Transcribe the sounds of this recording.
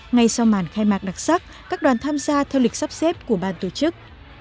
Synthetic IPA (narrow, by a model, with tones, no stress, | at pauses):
ŋa˧jsa˧wmaː˧˩nxaː˧jmaː˨˩k̚ɗa˨˩k̚sa˦˥k̚ | kaː˦˥k̚ɗwaː˨˦nt̪ʰaː˧mzaː˧t̪ʰɛ˧wli˨˩k̚sa˦˥p̚sɛ˦˥p̚ku˧˩əɓaː˧nt̪o˨˩t͡ɕɨ˦˥k̚